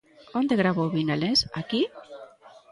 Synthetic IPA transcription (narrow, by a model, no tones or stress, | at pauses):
ond̪eɣɾaβoβinalensaki